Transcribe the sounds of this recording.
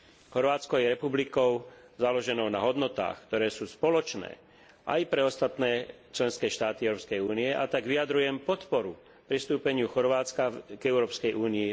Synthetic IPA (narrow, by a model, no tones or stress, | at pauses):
xɔɾʋaːt͡skɔjɛɾɛpublikɔʊ | zalɔʒɛnɔʊna̰ɦɔd̪nɔt̪a̰ːxkt̪ɔɾɛːsuːspɔlɔt͡ʃnɛ̰ː | ʔa̰jpɾɛɔst̪at̪nɛː | t͡ʃlɛnskɛːʃt̪aːt̪iɛwʊɾɔːpskɛjuːniɛʔa̰t̪aɡʋiad̪ɾujɛmpɔt̪pɔɾu | pɾist̪uːpɛɲɪuxɔɾʋaːt͡skaɡɛʊɾɔːpskɛjʔuːniː